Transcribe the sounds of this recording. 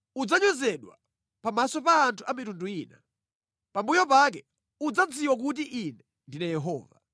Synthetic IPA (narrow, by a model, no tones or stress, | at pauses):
ud͡zaɲɔzɛɗwa̰ | pamasɔpaːntʰuamitunduiːna̰ | pambujɔpak̬ɛ | ud͡zad͡ziwak̬ut̬iʔinɛ | ndinajɛɦɔ̰ːva̰